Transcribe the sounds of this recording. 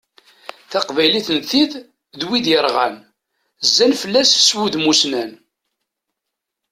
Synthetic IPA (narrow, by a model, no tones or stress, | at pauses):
θæqvæjliθənθið | ðwiðjəɾˤʁæ̰n | zːænfəlːæsswuðmusnæn